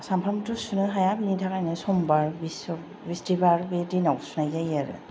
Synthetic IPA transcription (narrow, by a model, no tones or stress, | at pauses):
sampʰamtusunɯɦajabinitʰakajnɯsɔmbaɹbisɔ | bistibaɹbedinawsunajzajaɾɯ̰